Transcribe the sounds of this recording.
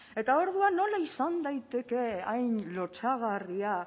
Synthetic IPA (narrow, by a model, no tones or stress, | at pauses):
e̞t̪ao̞ɾðuanːo̞laisand̪ajt̪e̞ke̞ajnlo̞t͡saɣ̞aria